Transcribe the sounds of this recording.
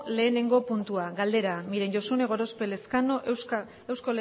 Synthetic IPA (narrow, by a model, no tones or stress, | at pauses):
le̞ːne̞ŋɡo̞punt̪uaɡald̪e̞ɾamiɾeɲɟosune̞ɣ̞o̞ɾo̞spe̞le̞skano̞ʔ | e̞wsko̞le